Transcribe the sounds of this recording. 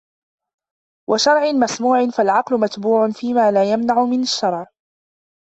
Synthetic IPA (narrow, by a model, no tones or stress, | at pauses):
wʔaʃɑɾˤʕɪnmasmuːʕɪnfalʕɑqlʊmat̪buːʕʊnfiːmaːlaːjamnaʕʊmɪnaʃːɑɾˤʕ